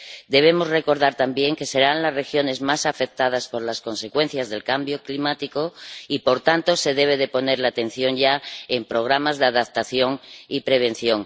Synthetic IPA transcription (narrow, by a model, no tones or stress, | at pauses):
d̪e̞β̞e̞mo̞zre̞ko̞ɾð̞aɾt̪ambje̞ŋke̞se̞ɾanlazre̞xjo̞ne̞zmasafe̞k̚t̪að̞aspo̞ɾlasko̞nse̞kwe̞n̟θjazðe̞lkambjo̞klimat̪iko̞ipo̞ɾt̪ant̪o̞se̞ðe̞β̞e̞ðe̞po̞ne̞ɾlaːt̪ẽ̞n̟θjo̞ŋʝaempɾo̞ɣ̞ɾamazðeaðap̚t̪aθjo̞ŋipɾe̞β̞e̞nθjo̞ŋ